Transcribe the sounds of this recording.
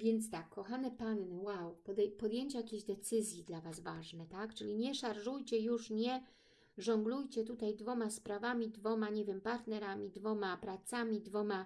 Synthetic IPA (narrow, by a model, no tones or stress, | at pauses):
vʲjɛnt̪st̪akʰːɔxanɛpannɘwawpɔd̪ɛjpɔd̪jeɲt͡ɕɛjakʲeʑd̪ɛt̪sɘzʲjid̪lavazvaʐnɛt̪akt͡ʂɘlʲiɲɛʂaɾʐujt͡ɕɛjuʂɲɛ | ʐɔŋɡlujt͡ɕɛt̪ut̪ajd̪vɔmaspɾavamʲid̪vɔmaɲɛvʲjɛmpaɾt̪nɛɾamʲid̪vɔmapɾat̪samʲid̪vɔma